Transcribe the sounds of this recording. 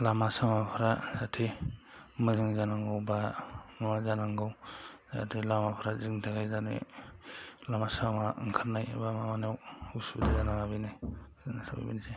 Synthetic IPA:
lamasamapʰɾazatʰe | mɯzɯŋzanaŋɡɯwbaŋwazanaŋɡɯwza̰tʰelamapʰɾazɯŋtʰaɡajzanḛ | lamasamaʔŋkʰaɾnaja̰bamamanewusudazanaŋabinaznasaba̰jbinse

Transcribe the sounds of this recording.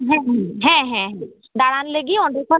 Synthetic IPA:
ɦɛ̃ɦɛ̃ɦɛ̃ɦɛ̃ɦɛ̃ | ɖ̪aɽanleɡiɔ̃ɳɖekɔ

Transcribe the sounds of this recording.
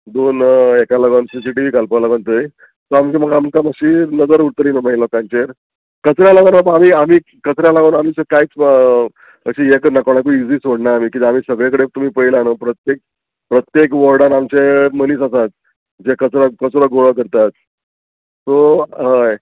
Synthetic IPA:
d̪onekaləɡansis̬iʈiʋiːkalpalaɡəɳt̪əj | soamt͡ɕeməɡamkaməɕiːnəd͡zəɾuɽt̪liːnəmailɔkãnt͡ɕeɾ | kət͡sɾjalaɡənapamiːam̤iː | kət͡sɾjalaɡənam̤iːsəkait͡s | əɕiekənakəʋɳak̬uid͡ziːsoɽnaːm̤iːkit̪am̤iːsəɡɭekəɽet̪umiːpəilanəpɾət̪jek̚ | pɾət̪jekʋɔɾɽanamt͡ɕeməniːsasat̪̚ | d͡ʑekət͡sɾakət͡sɾaɡoɭəkəɾt̪at̪ | soɦəj

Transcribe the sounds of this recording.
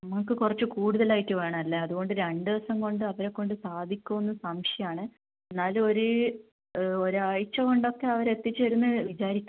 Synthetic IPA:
nɐmːɐɭk̬ːɨkurɐt͡ɕːɨkuːɽuðɐlaːjitːɨʋeːɳɐmɐlːeɐðuɣo̞ɳɖɨɾeɳɖɨʋɐsɐŋko̞ɳɖɨɐʋɐɾekːo̞ɳɖɨsaːd̪ʱikʲːumonːɐsɐmʂjɐjaːɳɨ | enːaːlo̞ɾu | oɾuaɻt͡ɕːɐko̞ɳɖo̞kːe̞ɐʋɐɾe̞t̪ːit͡ɕːʋɐɾunːɨʋit͡ɕaːɾikʲːu

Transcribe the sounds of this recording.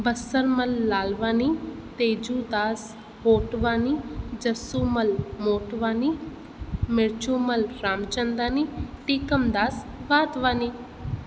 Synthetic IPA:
bəsəɾməlːaːlʋaːniː | t̪eːd͡ʒuːd̪aːs | ɦoːʈʋaːniːd͡ʒəsuːməlmoːʈʋaːniː | mɪɾt͡ʃuːməlɾaːmt͡ʃənd̪aːniːʈiːkəmd̪aːsʋaːt̪ʋaːniː

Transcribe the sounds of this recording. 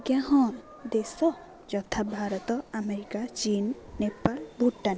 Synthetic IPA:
ɡjãɦɔ̃ | d̪esɔ | d͡ʒɔt̪ʰabʱaɾɔt̪ɔameɾikat͡ʃinːepːaɾbʱuʈːan

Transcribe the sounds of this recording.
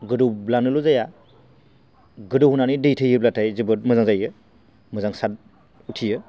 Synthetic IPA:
ɡɯdublanɯluzaja | ɡɯduɦunanidɯjtʰɯjɯblatʰajzɯbɯt̚mɯzaŋzajɯ | mɯzaŋsat̚ | utʰijɯ

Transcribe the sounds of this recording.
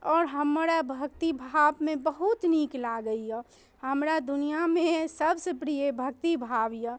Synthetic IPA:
ɔːɾɦəmɾabʱək̚t̪ibʱaʋmẽbəɦut̪niːklaɡəiɛ | həmɾad̪ʊnijamẽsəbsepɾiebʱək̚t̪ibʱaːʋja

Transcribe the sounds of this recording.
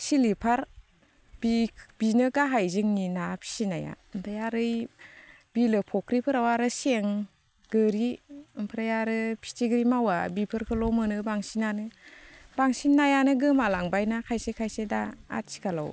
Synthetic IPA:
silipʰaɾ | b̥ib̥inɯɡaɦajzɯŋninapʰi̥sinaja̰ɯmpʰajaɾɯj | b̥ilɯpʰɔkʰɾipʰɯɾawaɾɯseŋ | ɡɯɾiɯmpʰɯɾajaɾɯpʰi̥tiɡɾimawabipʰɯɾkʰɯlɔmɯnɯbaŋsinanɯbaŋsinːajanɯɡɯmalaŋbajnakʰajsekʰajsedaa̰t̚si̥kʰala̰w

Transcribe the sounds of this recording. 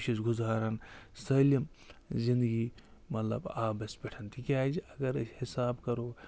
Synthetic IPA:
ʃisɡʊzaːɾɐnsɐːlim | zĩnd̪əɡimɐt̪lɐ̰baːbɐsbʲɛʈʰɐnt̪ʰikʲaːd͡ʒiɐɡɐɾhɪsaːbkɐɾoː

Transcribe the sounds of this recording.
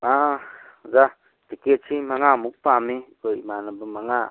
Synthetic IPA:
a | za | tiket̚simaŋamuk̚pamikojmanabɯmaŋa

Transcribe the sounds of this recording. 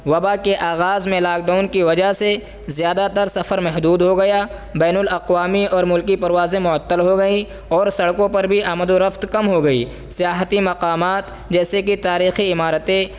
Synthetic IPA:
ʋɐbakeʔaːɣaːzmẽlaːk̚ɖaːʊnkiʋɐd͡ʒaɦse | zjaːd̪at̪əɾsɐfəɾmɛɦd̪uːd̪ɦoɡɐja | bɛːnʊlɐqwaːmiɔːɾmʊlkipɐɾwaːzẽmʊət̪ːəlɦoɡɐi | ɔːɾsɐɽkõpɐɾbʱiʔɐmd̪oɾɐft̪kɐmɦoɡɐḭː | sɪjaːɦt̪imɐqaːmaːt̪ | d͡ʒɛːsekit̪aːɾiːxiɪmaːɾət̪ẽ

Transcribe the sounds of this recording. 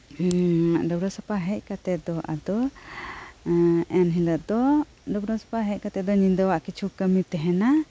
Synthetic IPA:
ɖɔbɾɔsapaɦɛc̚kat̪ɛd̪ɔʔa̰d̪ɔ | ɛnɦiləʔd̪ɔ | ɖɔbɾɔsḁpaɦɛc̚kat̪ɛd̪ɔɲind̪awaʔkit͡ʃʰukəmit̪ɛɦɛna

